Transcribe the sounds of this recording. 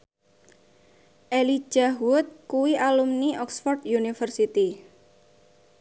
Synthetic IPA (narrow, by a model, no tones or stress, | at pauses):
ʔeli̥ʒ̥aɦwʊt̪̚kuwiʔalumniɔksfɔrt̪junifərsit̪i